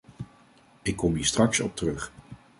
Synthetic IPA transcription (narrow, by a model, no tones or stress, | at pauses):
ɪkːɔmiːɹstrɑksɔ̰p̚tərɵχ